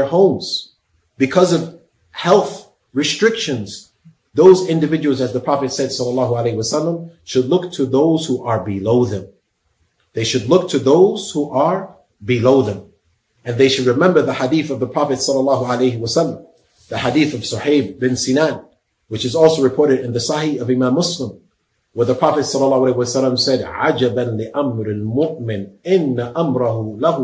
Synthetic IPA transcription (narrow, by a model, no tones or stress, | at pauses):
hõʊ̃mz̥ | b̥ɨkʰʌzʌv̥ | hɛlˠθ | ɹɨstɹ̥ɪkʃɨ̃nz̥ | ðoʊzɪ̃ndɨvɪd͡ʒɨwl̩ˠzɨzðəpʰɹ̥ɑfɨtsɛd̥sʌlːəlɑɦəəleɪɨwʌsʌlˠːə̃mʃɨdˡlʊk̚tʰɨðoʊz̥huʔə˞bɨloʊðɨ̃m | ðeɪʃɨdˡlʊk̚tʰɨðoʊz̥huʔə˞ | bɨloʊðɨ̃m | ɨ̃nðeɪʃɨd̚ɹɨmɛ̃mbə˞ðɨhadiθʌvðəpʰɹ̥ɑfɨtsʌlːəlɑɦualeɪhɨwəsʌlːə̃m | ðɨhadiθʌv̥sʊħeɪbbɨ̃nsinæn | wɨt͡ʃɨzɔlˠsoʊɹɨpʰɔɹɾɨɾɨ̃nðɨsahiʌvɨmæ̃mːʊslə̃m | wə˞ðəpʰɹ̥ɑfɨtsɑlːɑlɑhʊaleɪwəsalə̃msɛdʕad͡ʒɨbɨ̃nlɨʔamɾɪlmʊʔmɪ̃nɪ̃nːɨʔamɾɨhulahu